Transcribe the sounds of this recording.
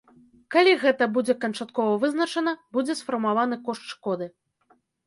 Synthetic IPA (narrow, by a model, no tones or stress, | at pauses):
kalʲiɣɛt̪ɐbud͡zʲɛkɐnt͡ʂat̪̚kɔvɐvɨznɐt͡ʂɐnɐbud͡zʲɛsfɐrmavanɨkɔʂtʂkɔd̪ɨ